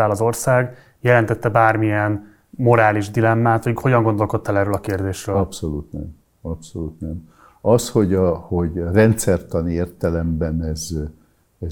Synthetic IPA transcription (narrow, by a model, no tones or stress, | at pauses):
aːlɒzo̞rsaːɡ | jɛlɛnt̪ɛt̪ːɛbaːrmijɛn | mo̞ɾaːliʒd̪ilɛmːaːt̪ʋoɟho̞ɟɒŋɡo̞nd̪o̞lko̞t̪ːɑlɛrøːlɒkeːrd̪eːʃrøːɒpsoluːt̪nɛm | ɒpsoluːt̪nɛm | ɒsho̞ɟɒhoɟrɛnt̪sɛrt̪ɒnieːrt̪ɛlɛmbɛnɛz | ɛ